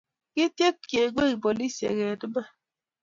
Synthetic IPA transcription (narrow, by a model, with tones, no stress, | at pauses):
ki˦te˦kke˨ɡ͡be˦ɣi˨bo˨li˦sḛ˨ɣe˨dɨ˦ma˦